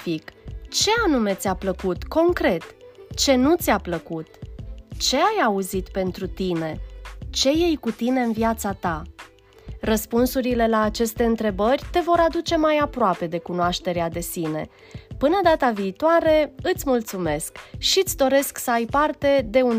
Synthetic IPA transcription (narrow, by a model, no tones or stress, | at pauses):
fikt͡ʃe̞anume̞t̪sʲapləkut̪ko̞ŋkɾe̞t̪t͡ʃe̞nut̪sʲapləkut̪t͡ʃe̞ajauzit̪pe̞nt̪ɾut̪ine̞t͡ʃe̞je̞jkut̪ine̞ɨnvijat̪sat̪a | rəspunsuɾile̞laːt͡ʃe̞st̪e̞ɨnt̪ɾe̞bərʲt̪e̞vo̞ɾad̪ut͡ʃe̞majapɾoape̞d̪e̞kunoaʃt̪e̞ɾead̪e̞sine̞̰ | pɨnəd̪at̪aviːt̪oaɾe̞ɨt̪sʲmult̪sume̞skʃit̪sʲd̪o̞ɾe̞sksəajpart̪e̞d̪e̞un